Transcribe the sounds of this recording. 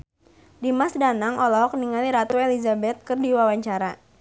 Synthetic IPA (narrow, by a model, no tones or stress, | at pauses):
dimasdanaŋɔlɔɦɔk̚niŋaliɾat̪uelizabɛt̪̚kɨrdiwawaɲt͡ʃaɾa